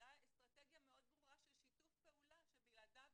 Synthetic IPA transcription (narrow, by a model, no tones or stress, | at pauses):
aest̪ʁat̪eɡjame̞o̞d̪̚bʁuʁaʃelʃitufpe̞ulaʃebiɡlad̪av